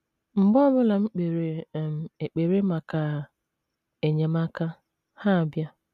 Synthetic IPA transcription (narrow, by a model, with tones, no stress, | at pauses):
m̩˨bɔ˦bʊ˦la˨ŋ͡m̩˦k͡pe˨ɾe˨m̩˨e˨k͡pe˨ɾe˦ma˨ka˨ | e˨ɲe˨ma˦ka˦ | ha˦˨bja˦